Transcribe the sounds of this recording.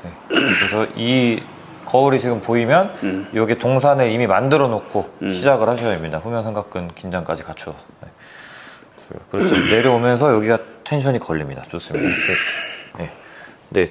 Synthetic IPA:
ne̞ɾesʰʌʔi | kʌuɾit͡ɕiɡɯmpoimjʌnjʌɡetoŋs̬ʰanɯɾimimandɯɾʌnokʰoɕʰid͡ʑaɡɯɭhaɕʰʌaimɲidaɸumjʌŋsʰe̞ŋɡak͈ʰɯnkind͡ʑaŋk͈ad͡ʑikat͡ɕʰo | ne̞ | kɯɾʌt͡ɕʰine̞ɾjʌomjʌnsʰʌjʌɡiɡatʰenɕʰʌɲikʌʎːimɲida̰t͡ɕos͈ɯmɲidaone̞ | ne̞

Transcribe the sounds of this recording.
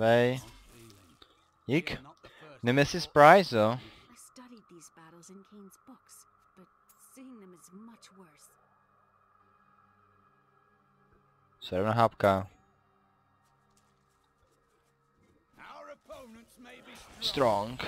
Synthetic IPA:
eɪ | ik | nəmɪsɪsbɹaɪzə | ɪ̥stʌɾid̪̚ðizbæɾl̩ˠzɨ̃nkʰĩnzbʊks | b̥ʌt̚ | sĩŋðə̃mɨzmʌt͡ʃwɜ˞s | sɛɾəvnəɦapkʰa | stɹɔ̃ŋ

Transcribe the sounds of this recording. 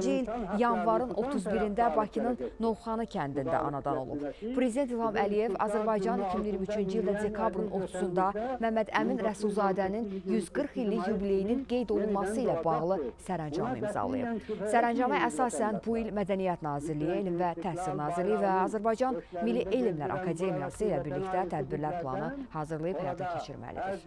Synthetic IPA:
d͡ʒiiljɑnvɑɾɯnʔo̞t̪ʰuzbiɾind̪æbɑcʰinɯnːo̞vχɑnɯcʰænd̪ind̪æ̰ʔɑ̰nɑd̪ɑno̞̰lˠṵbpʰɾe̞zid̪e̞nt̪ilˠhɑmʔælije̞vɑ̰zæɾbɑjd͡ʒɑnicʰiminiɾmiyt͡ʃʰynd͡ʒijilʲd̪æd̪e̞kʰɑbɾɯno̞t̪ʰu̥zund̪ɑmæmːæd̪æ̰minɾæsulˠzɑːd̪æninjyzɡɯɾχilːijybile̞jininɡe̞jd̪o̞lˠunmɑsɯilæbɑɣlˠɯsæɾænd͡ʒɑ̰mɯ̰ḭmzɑ̰lˠɯ̰jɯ̰psæɾænd͡ʒɑmɯæsɑːsænbuilmæd̪ænijæt̪nɑːziɾlijielimvæt̪ʰæhsilnɑːziɾlijivæɑzæɾbɑjd͡ʒɑnmilːiʔelimlæ̰ɾʔɑ̰kʰɑd̪e̞mijɑsɯilæbiɾlicd̪æt̪ʰæd̪̚biɾlæɾpʰlˠɑ̰nɯhɑːzɯɾlˠɯjɯphæjɑ̰ːt̪ʰɑcʰe̞t͡ʃʰḭɾmæ̰lḭd̪ḭ

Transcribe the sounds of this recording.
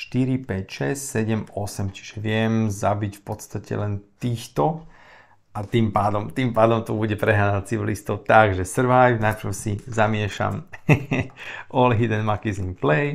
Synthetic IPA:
ʃt̪iɾipɛcʃɛssɛɟɛmɔsɛmt͡ʃi̥ʒɛʋɪɛmzabicfpɔt̪st̪acɛ̰lɛnt̪iːxt̪ɔ | ʔat̪iːmpaːd̪ɔmt̪iːmpaːd̪ɔmt̪ɔbuɟɛpɾɛɦaːnat͡siʋilist̪ɔʊt̪aɡʒɛsr̩ʋajvnapɾsizamɪɛʃa̰m | ʔɔlɦid̪ɛnmakizinplɛj

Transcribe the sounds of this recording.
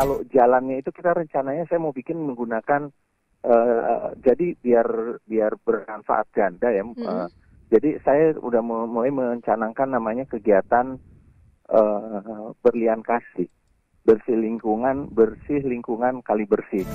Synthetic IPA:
kalod͡ʒalanɲait̪ukit̪aɾəɲt͡ʃanaɲasajamaubikɪnməŋɡunakan | ʔəːd͡ʒadibiarbiarbərmanfa̰ʔa̰t̪̚d͡ʒandajaə | d͡ʒadisajaṵdahmmolajməɲt͡ʃanakanːamaɲakəɡiat̪an | ʔə | bərliankasɪh | bərsɪhliŋkuŋanbərsɪɦliŋkuŋankalibərsɪh

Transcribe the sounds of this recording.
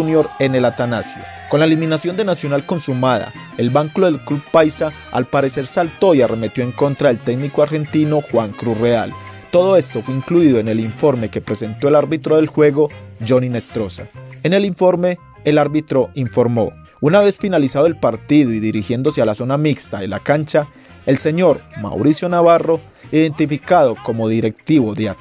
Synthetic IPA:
unjo̞ɾene̞lat̪anasjo̰ | ko̞nlaeliminasjo̞nd̪e̞nasjo̞nalko̞nsumaða̰ | e̞lbaŋkuloðelklubpajsa | a̰lpaɾe̞se̞ɾsalt̪o̞iare̞me̞t̪jo̞eŋko̞nt̪ɾaelt̪e̞ɡnikoaɾxe̞nt̪ino̞xwaŋkɾusrea̰l | t̪o̞ðoe̞st̪o̞fweiŋkluiðo̞ene̞liɱfo̞ɾme̞kepɾe̞se̞nt̪o̞elaɾbit̪ɾo̞ðe̞lxwe̞ɣo̞d͡ʒo̞nine̞st̪ɾo̞sa̰ene̞liɱfo̞ɾme̞ː | laɾβit̪ɾo̞iɱfo̞ɾmo̞ | unaβe̞sfinalisaðoe̞lpaɾt̪iðoiðiɾixje̞nd̪o̞sealaso̞namikst̪aðela̰kant͡ʃa | e̞lse̞ɲo̞ɾma̰wɾisjo̞naβaro̞ | iðe̞nt̪ifikaðo̞ko̞mo̞ðiɾe̞k̚t̪iβoðjat̪

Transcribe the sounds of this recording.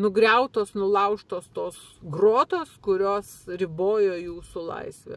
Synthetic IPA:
nʊɡɾʲɛʊt̪oːsnʊlˠɐʊʃt̪oːst̪oːs | ɡroːt̪oːskʊɾʲoːsɾʲɪboːjoːjuːsʊlˠɐ̰ɪsʲʋʲɛ̰

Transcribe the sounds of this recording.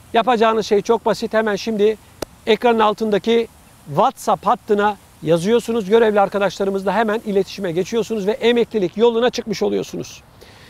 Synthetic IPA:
japad͡ʒaːnɯzʃe̞jt͡ʃʰo̞k̚basit̪hemænʃimd̪ɪ | ɛkɾanɯnalˠt̪ɯnd̪aci | vat̪saphat̪ːɯna | jazɯjo̞ɾsunuzɟø̞ɾevlʲiaɾkad̪aʃlˠaɾɯmɯzd̪aɦemænilʲe̞t̪ʰi̥ʃimɛɟe̞t͡ʃʰijo̞ɾsunuzvɛʔemɛclʲilʲicjo̞lˠunat͡ʃʰɯkmɯʃolˠujo̞ɾsunuz̥

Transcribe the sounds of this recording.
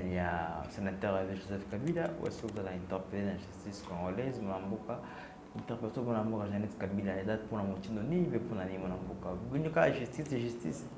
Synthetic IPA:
jasenat̪ɛʁaviʒozɛfkabilawʔa̰siuzalaɛ̃nt̪ɛʁpeled̪ãʒyst̪iskɔ̃ŋɡolɛzmonãmbuka | int̪ɛʁpet̪omonãmbukaʒanɛt̪kabilaedat̪̚punamot͡ʃind̪onivepunanimonãmbukabuɲikaʒyst̪iseʒyst̪ḭs

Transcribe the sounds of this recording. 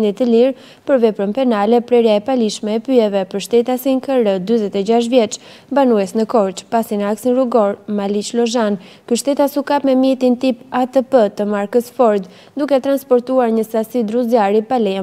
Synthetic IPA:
nd̪it̪əliɾ | pəɾvɛpɾənpɛnalɛpɾɛɾjaɛpaliʃmɛɛpyɛvɛpəɾʃt̪ɛt̪asiŋkəɾəd̪yzɛt̪ɛd͡ʑaʃ̬vjɛt͡ʃ | banuɛsnəkɔɾt͡ʃpasinaksinɾuɡɔɾmalit͡ʃlɔʒan | kyʃt̪ɛt̪asukapmɛmjɛt̪int̪ipat̪əpət̪əmaɾkəsfɔɾd̪ | d̪ukɛt̪ɾanspɔɾt̪uaɾɲəsasid̪ɾuzjaɾipalɛja

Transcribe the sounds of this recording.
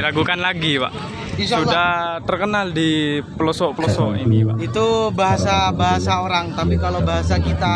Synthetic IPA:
iɾaɡukanlaɡipa̰ʔ | issudaht̪ərkənaldiplɔsɔʔplɔsɔʔḭnipa̰ʔit̪ubaɦasabaɦasaoɾaŋt̪apikalobaɦasakit̪a

